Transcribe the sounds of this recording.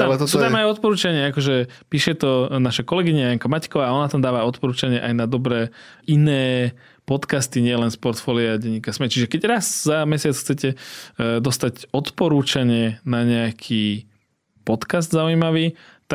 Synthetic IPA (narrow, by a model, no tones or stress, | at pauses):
t̪at̪sut̪amajɔt̪̚pɔɾuːt͡ʃaɲɪɛakɔʒɛ | piːʃɛt̪ɔnaʃakɔlɛɡiɲajaŋkamackɔʋaːɔnat̪amd̪aːʋaɔt̪pɔɾuːt͡ʃaɲɪɛʔajnad̪ɔbɾɛː | inɛː | pɔt̪kast̪iɲɪɛlɛnspɔɾt̪fɔliaɟɛɲːikasmɛt͡ʃiʒɛkɛɟɾazzamɛsɪat͡sxt͡sɛcɛd̪ɔst̪acɔt̪pɔɾuːt͡ʃaɲɪɛnaɲɛakʰiː | pɔt̪kazd̪zaujimaʋiː | t̪a